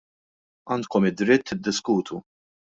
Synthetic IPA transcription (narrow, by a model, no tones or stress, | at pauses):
ɐːnt̪kɔmɪd̪ɾɪt̪ːɪd̪ːɪskuːt̪ʰu